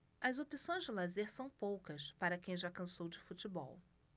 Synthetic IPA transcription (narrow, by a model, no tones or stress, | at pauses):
ɐzopisõj̃zd͡ʒɪlazeɾsɐ̃w̃powkɐspaɾɐkẽj̃ʒakɐ̃sowd͡ʒɪfut͡ʃɪbɔ̰w